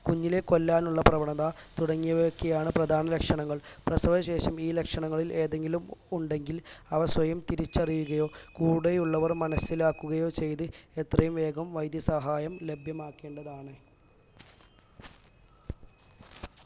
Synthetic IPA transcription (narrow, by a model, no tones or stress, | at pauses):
kuɲːileko̞lːaːnuɭːɐprɐʋɐɳɐðat̪uɽɐŋːijɐʋkːɐjaːɳɨprɐd̪ʱaːnɐlɐkʂɐɳɐŋːɐɭprɐsɐʋɐɕe̞ːɕɐmiːlekʂɐɳɐŋːɐɭilʔe̞ːðe̞ŋɡilumuɳɖe̞ŋɡilɐʋɐswɐjɐmt̪iɾit͡ɕːɐrijuɣɐjo̞ːkuːɽejuɭːɐʋɐrmɐnɐsilaːkːuɣɐjo̞ːt͡ɕe̞jt̪ɨet̪rɐjumʋe̞ːɡɐmʋɐjd̪jɐsɐɦaːjɐmle̞bʱjɐmaːkːe̞ːɳɖɐðaːɳɨ